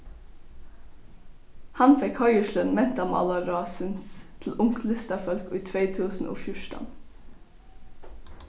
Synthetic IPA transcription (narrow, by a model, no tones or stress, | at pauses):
hɑnfɛkhɑɪəʃlənmɛnt̪ɑmɑ̰lɑɾɑːsɪnst̪ʰl̩ʊŋklɪst̪ɑfœlkoːiːt̪ʰɾeɪt̪ʰʉːsn̩ʔo̰ːfjʊʃtɑ̰n